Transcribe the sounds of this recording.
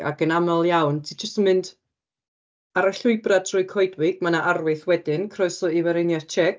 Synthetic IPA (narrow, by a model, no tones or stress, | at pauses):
a̰ɡənamɔlˠjawntʰiːd͡ʒəstənmɨnd | aɾaɬʊɨbratʰrʊɨkʰɔɨdwɪɡ̥̚manaʔarwɨθwɛdɪnkʰrɔɨsɔivɛɾɛnjaðt͡ʃʰɛɡ